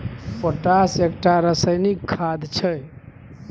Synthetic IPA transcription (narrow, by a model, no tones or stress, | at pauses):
pəʈasekʈaɾəsəjnikʰːad̪t͡ʃʰəj